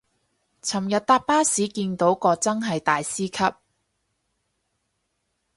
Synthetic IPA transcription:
t͡sʰɐ˨˩mjɐ˨t̚t̪aː˧t̚paː˥siː˨˥kiː˧nt̪o˨˥wkɔː˧t͡sɐ˥ŋɦɐ˨jt̪aː˨jsiː˥kʰɐ˥p̚

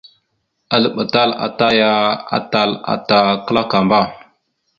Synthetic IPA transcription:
a˨lə˨ɓa˨ta˦la̰˨ta˦ja˦a̰˨ta˦la̰˨ta˨kə˦la˦ka˨mba˦˨

